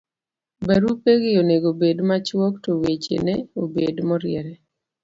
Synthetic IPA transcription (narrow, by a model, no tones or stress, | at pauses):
baɾupeɡɪoneɡobedmat͡ʃwɔktowet͡ʃḛnɛobedmɔɾɪɛɾɛ